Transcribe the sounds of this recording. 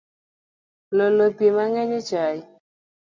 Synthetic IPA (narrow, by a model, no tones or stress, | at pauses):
lolopimaŋɛɲet͡ʃaj